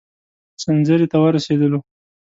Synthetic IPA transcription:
sanzəɾet̪awəɾased̪əlo

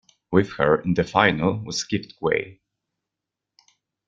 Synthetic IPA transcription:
wɪð̥hə˞ɪ̃nðɨfaɪnəlˠwʌskɪptwḛɪ

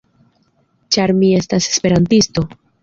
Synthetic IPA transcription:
t͡ʃaɾmie̞stase̞spe̞ɾantisto̞

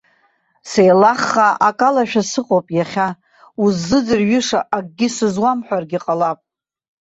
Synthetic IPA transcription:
sejlaχːaʔakʼalaʃᶣasɨqʼowpʼjaχʲa | uzːɨd͡zɨrɥɪʂaʔaɡ̚ʼɡʲɪsɨzwamħʷᶣarɡʲiqʼalapʼ

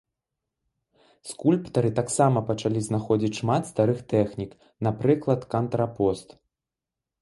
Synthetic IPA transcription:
skulʲpt̪ɐɾɨt̪aksamɐpɐt͡ʂalʲiznaxɔd͡zʲit͡sʲʂmat̪st̪aɾɨxt̪ɛxnʲik | napɾɨklˠɐt̪kɐnt̪ɾapɔst̪

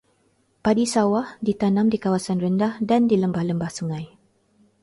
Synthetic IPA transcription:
padisawahdit̪anãmdikawasanrəndahdandiləmbahləmbahsuŋãj

